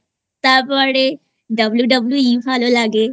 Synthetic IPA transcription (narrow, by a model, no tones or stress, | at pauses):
t̪apaɽe | ɖɐbljuɖəbljuipʰaːlolaːɡe